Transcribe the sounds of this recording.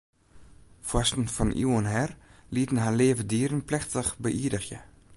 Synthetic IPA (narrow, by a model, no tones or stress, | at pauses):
fɔstn̩fɔnʔḭwənɦɛrlitən̩ɦaleːvədiːɾənplɛxtəχbəʔiːdəxjə̰